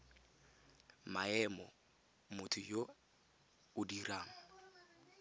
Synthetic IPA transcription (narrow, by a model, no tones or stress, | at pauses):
maɛmɔ | mʊtʰʊjo | ʊdiɾaːŋ̩